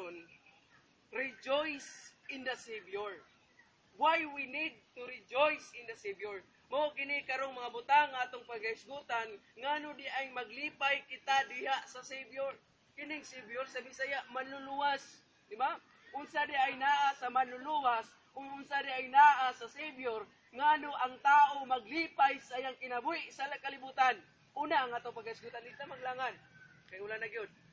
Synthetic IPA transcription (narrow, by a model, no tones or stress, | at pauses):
on | ɾɪd͡ʒojsɪnd̪ɐsebjoɹ | wajwinid̪̚t̪ʊɾɪd͡ʒojsɪnd̪ɐsebjoɹ | maokɪnɪkaɾoŋmɐŋabʊt̪aŋːaaːt̪ʊŋpaɡ̚kaɪsɡut̪anŋanʊd̪ɪʔajŋmaɡliːpajkɪt̪ad̪ɪhaʔsasejbjoɾ | kɪnɪŋsebjoɾsamɪsajaʔmanʊluas | d̪ɪba | ʔʊnsad̪ɪʔajnaːʔasamanlʊluwas | ʊɡʊnsadɪajnaːʔasasejbjor | ŋanoʔaŋt̪aːʔomaɡlipajsajaŋkɪnabuɪʔsalakalɪbut̪an | ʔuːnaːŋaːt̪oŋpaɡaɪsɡut̪andɪt̪amaɡlaŋan | kajʊlanaɡijod̪̚